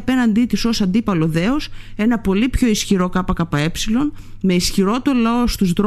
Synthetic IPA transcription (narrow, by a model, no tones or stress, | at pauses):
pe̞nɐnd̪it̪iso̞sɐnd̪ipɐlo̞ðe̞ose̞nɐpo̞lipço̞isçiɾo̞kɐpɐkɐpɐe̞psilo̞n | me̞isçiɾo̞t̪olɐo̞st̪uzðɾ